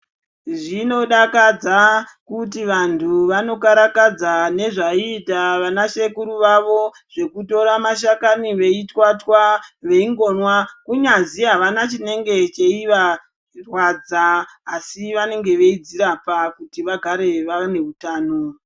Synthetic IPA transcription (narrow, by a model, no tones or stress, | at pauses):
ʐino̞ɗakad͡za | kut̬iʋantʰuʋano̞kaɾakad͡zane̞ʐaiːtaʋanaʃe̞kuɾuʋaʋo̞ | ʐ̥e̞kuto̞ɾamaʃakaniʋe̞itwatwaʋe̞iŋɡo̞nwakuɲanziɦaʋanat͡ʃine̞ŋɡe̞t͡ʃe̞iʋa | rwad͡zaːsiʋane̞ŋɡe̞ʋe̞id͡ziɾapakutiʋaɡʱaɾe̞ʋane̞utaːno